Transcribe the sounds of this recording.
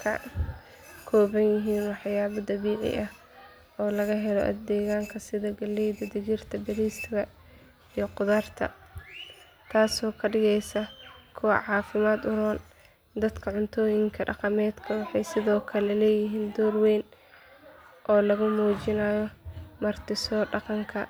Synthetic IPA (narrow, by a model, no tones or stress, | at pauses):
kʰɐ̰ | kʰɔːβɐnjɪɦiːnwɑħjaːβɐd̪ɐβiːʕɪ̰ʔɐh | ɔːlɐɣɐɦɛlɔʔɐ̰d̪ɛːɣaːŋkʰɐsɪðɐɡɐlɛjd̪ɐd̪ɪd͡ʒɪrt̪ʰɐbɐɾiːst̪ʰɪɣɐ | ijɔqʊðaːrt̪ʰɐ̰ | t̪ʰaːsɔːkʰɐɖɪɣɛjsɐkʰʊwɑ̰ʕɑːfɪmaːd̪ʊɾɔːn | d̪ɐd̪kʰɐʕʊnt̪ʰɔːjɪŋkʰɐɖɑ̰qɑmɛːd̪kʰɐwɑħɑjsɪðɔːkʰɐlɛlɛːjɪɦiːnd̪ɔːrwɛːn | ʔɔːlɐɣʊmuːt͡ʃɪnaːjɔmɐrt̪ʰɪsɔːɖɑqɑŋkʰɐ